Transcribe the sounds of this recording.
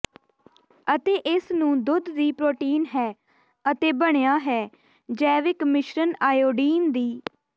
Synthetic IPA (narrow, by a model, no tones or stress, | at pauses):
ət̪eːʔɪsnũːd̪ʊd̪diːpɾoːʈiːnɦɛː | ət̪eːbəɳ̃ejaːɦɛː | d͡ʒɛːʋɪkmɪʃɾənaːjoːɖiːnd̪iː